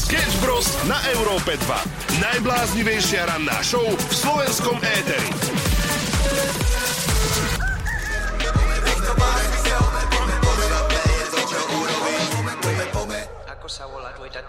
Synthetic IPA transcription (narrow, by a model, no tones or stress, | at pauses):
skɛd͡ʒbɾɔsnaʔɛʊɾɔːpɛd̪ʋa̰ | najblaːzɲiʋɛjʃɪaɾanːa̰ːʃɔʊfslɔʋɛnskɔmɛːt̪ɛɾḭ